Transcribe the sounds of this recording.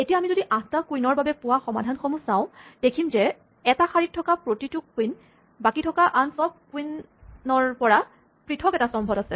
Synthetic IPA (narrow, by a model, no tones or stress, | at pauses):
etiaːmizodiʔãstakujnɔɹbabɛpʊwaxɔmadʱanxomusãʊ̃d̥ekʰimzɛ | ɛtaxaɹit̚ʰːɔkapɹotitʊkːwin | bakitʰɔkaʔansɔb̚kuinː | ɔɹpɔɹa | pɹitʰɔkɛtasɔmbʱɔdasɛ